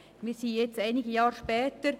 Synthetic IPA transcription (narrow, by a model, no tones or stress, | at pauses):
miːsiːjɛt͡staɪnɪɡəjaːʁʃpɛːtəɾ